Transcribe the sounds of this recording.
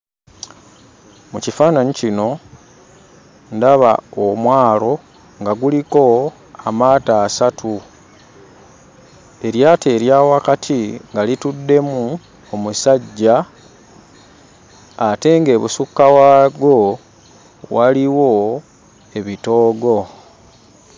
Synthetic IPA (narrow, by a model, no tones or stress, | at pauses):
mucifaːnaɲicino̞ | ndaβa̰omwaːlo̞ | ŋɡaɡuliko̞ | amaːtaːsatʰu | e̞ɾjaːte̞ːɾjaːwakatʰiŋɡalitudːe̞mu | omusaɟːa | te̞ŋɡe̞ːβusukːawaɡo̞ | waliwo̞ | e̞βitoːɡo̞